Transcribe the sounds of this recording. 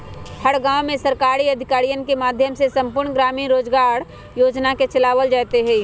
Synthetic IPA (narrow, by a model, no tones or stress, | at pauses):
həɾɡãːwmẽsəɾkaːɾiɐd̪ʱɪkaːɾijənkemaːd̪ʱjəmsesə̃mpʊɾɳɡɾaːminɾoːd͡ʒɡaːɾ | joːd͡ʒnaket͡ʃɐlaːʋəld͡ʒaːt̪eɦɛi